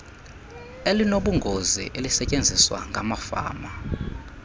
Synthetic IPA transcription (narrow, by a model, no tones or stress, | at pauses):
elinoɓuŋɡʱozḭʔelisɛcʼend͡zʱiswa̰ŋɡʱamafa̰ːma